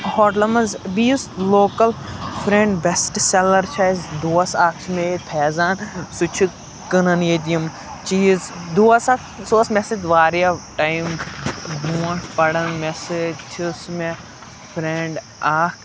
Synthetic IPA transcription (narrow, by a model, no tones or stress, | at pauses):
hoːʈlɐmɐzbiːsloːkɐlpʰɾẽɳɖbesʈselɐɾt͡ʃʰazd̪uːɐsaːkʰt͡ʃʰmeːp̪ʰɛːzaːnsut͡ʃʰi | kɐnɐneːd͡ʒ̪ijɐm | t͡ʃiːzd̪uːɐsak | soːsmesed͡ʒʋaːɾijaʈaːjmbuːɐ̃ʈpɐɽɐnmesed͡ʒt͡ʃʰisme | pʰɾeɳɖ | aːkʰ